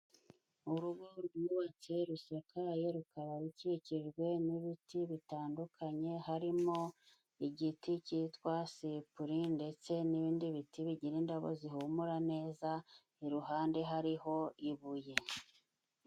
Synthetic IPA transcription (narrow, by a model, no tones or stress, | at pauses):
uɾuɡɡoɾɡuβat͡se̞ɾusakaje̞ɾukaɾaɾiciciʒɡwe̞niβitiβitaːndukʰaɲe̞haɾimo | iɟiticitwasipuɾinde̞t͡se̞niβiːndiβitiβiɟiɾindaβo̞̰ziɦumuɾane̞ːza | iɾuɦaːnde̞ɦaɾiɦo̞iβuje̞